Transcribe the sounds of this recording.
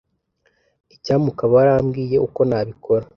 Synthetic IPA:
icaːmukaβaɾaːmɡiːje̞ʔuko̞naβikʰoɾa

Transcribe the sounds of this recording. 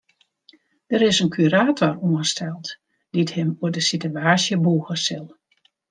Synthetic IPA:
d̥əɾɪsənkʰyɾaːtʰɔruəstʰɛlˠt | d̥ithɪmuədəsityaːsjəbuːɣəsɪlˠ

